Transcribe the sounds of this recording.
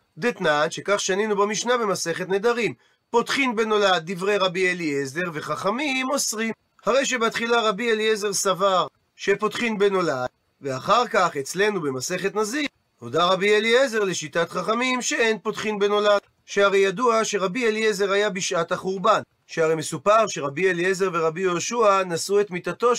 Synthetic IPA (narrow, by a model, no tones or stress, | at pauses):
d̪et̪nanʃe̞kaχʃaninubamiʃnabe̞maseχet̪ned̪aʁim | po̞tχinbe̞no̞lad̪̚ːivʁe̞jʁabielieze̞ʁve̞χaχamimo̞sʁim | haʁe̞jʃ̬ebeat̪χilaʁabielieze̞ʁsavaʁ | ʃe̞po̞tχinbeno̞lad̥̚ | veaχaʁkaχe̞t͡sle̞nube̞mase̞χe̞t̪nazi | hodaʁabieliezeʁle̞ʃitat̪χaχamimʃe̞enpo̞tχinbe̞no̞lad̥ | ʃehaʁejaduaʃe̞ʁabieliezeʁhajabiʃʔathaχuʁban | ʃeaʁejme̞supaʁʃe̞ʁabieliezeʁve̞ʁabijoʃuanasue̞t̪mit̪at̪o̞